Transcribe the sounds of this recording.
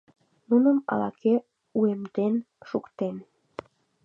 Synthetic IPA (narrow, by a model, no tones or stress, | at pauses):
nunəmɑ̰lɑke | uemd̪en | ʃukt̪en